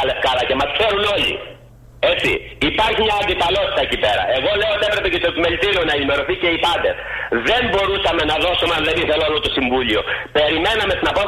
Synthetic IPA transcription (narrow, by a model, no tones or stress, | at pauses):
ɐlefkɐlɐce̞mɐskse̞ɾuno̞lḭ | e̞t͡sḭipɐɾçimɲɐːd̪ifɐlo̞t̪i̥t̪ɐecipe̞ɾɐ̰eɣo̞le̞oot̪iepɾe̞pe̞cet̪otime̞lt̪iɾio̞nɐenime̞ɾo̞θice̞ipɐnd̪esðe̞mbo̞ɾusɐme̞nɐðo̞somɐnleviθelolot̪osiɱvulio̞pe̞ɾime̞nɐme̞st̪inɐpo